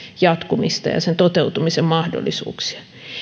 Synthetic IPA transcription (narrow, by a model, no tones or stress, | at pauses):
jɑt̪kumist̪ɑ̰jɑ̰sent̪ot̪eut̪umisemmɑhdo̰lːˑisṵːksi̥ɑ̥